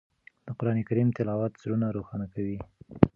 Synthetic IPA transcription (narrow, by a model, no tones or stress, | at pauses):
d̪̥əqʊɾɑnekaɾimt̪ɪlɑwat̪zɽunaɾoxɑnakawi